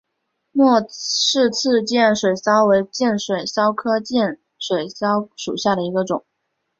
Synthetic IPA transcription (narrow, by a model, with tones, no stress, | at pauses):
mwɔ˥˧ʂɻ̩˥˧t͡sʰɹ̩˥˧t͡ɕjɛ˥˩nʂwe˨˩ɪsɑ˥ʊwe˧˥ɪt͡ɕjɛ˥˩nʂwe˨˩ɪsɑ˥ʊkʰɤ˥t͡ɕjɛ˥˩n | ʂwe˨˩ɪsɑ˥ʊʂṵ˨˩ɕja˥˩ɾə˩i˧˥ɡə˧ʈ͡ʂʊ̰˨˩˦ŋ